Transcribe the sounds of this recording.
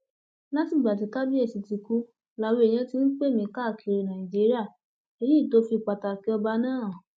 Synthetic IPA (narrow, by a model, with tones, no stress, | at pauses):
la˦ti˦˨ɡ͡ba˨t̬i˨˧˦ka˦bi˦e˦˨si˨ti˨˧ku˧˦ | la˧we˧e˨j̃ã˧˦ti˧˦n̩˦k͡pe˦˨mĩ˨˦ka˦˨kʰi˧˨ɾi˨nã˨ĩ˨d͡ʒi˨˦ɾi˦a˦˨ | e˧ji˦˨to˨˦fi˧˨k͡pa˨ta˨ki˨˦ɔ˧ba˧nãː˦˨